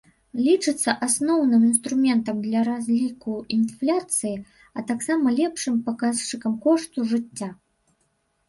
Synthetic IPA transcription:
lʲit͡ʂɨt̪sːɐʔasnɔwnɨminst̪ɾumʲɛnt̪ɐmd̪lʲɐɾazʲlʲikuinflʲat̪sɨji | ɐt̪aksamɐlʲɛpʂɨmpakast͡ʂɨkɐmkɔʂt̪uʐɨt͡sʲːa

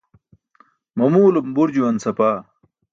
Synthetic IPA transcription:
mɐmuːlumbuɾd͡ʑuwɐnsɐpaː

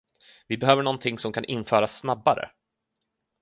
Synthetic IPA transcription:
vɪbɛɦøːvəɳɔnt̪ʰɪŋːsɔmkʰanʔɪnfœːɾasːnabːaɾə̰

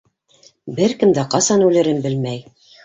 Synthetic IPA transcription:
bɘɾkɘ̆md̪æqɑsɑnʉlɘ̆ɾɘnbɘlmæj

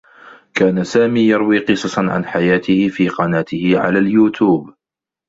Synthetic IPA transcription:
kaːnasaːmiːjɑɾˤwiːqɨsˤɑsɑnʕa̰nħajaːt̪ɪhɪfiːqɑnaːt̪ɪhɪʕa̰laːljuːt̪ʰuːb

